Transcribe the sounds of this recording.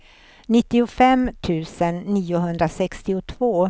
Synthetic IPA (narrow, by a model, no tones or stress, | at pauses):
nɪt̪ːɪʊfɛmːt̪ʰʉ̟ːsənːiːʊɦɵnd̪ɾasɛkst̪ɪʊt̪ʰvoː